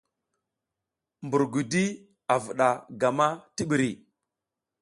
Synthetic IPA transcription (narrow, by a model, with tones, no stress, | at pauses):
mbu˨ɾɡu˨di˦ | a˨vu˨ɗa˨ɡa˨ma˦ti˦ɓi˨ɾi˨